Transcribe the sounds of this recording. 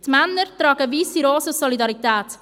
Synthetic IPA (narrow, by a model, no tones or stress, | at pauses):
t̪manːəɾt̪ɾɑːɡəviːsiɾoːsəsɔlidɑɾit̪ɛːt